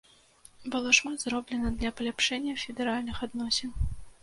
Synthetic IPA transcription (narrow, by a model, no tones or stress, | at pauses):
bɨlˠɔʂmat̪zɾɔblʲɛnɐd̪lʲɐpɐlʲapʂɛnʲːɐfʲɪd̪ɛɾalʲnɨxad̪nɔsʲɪn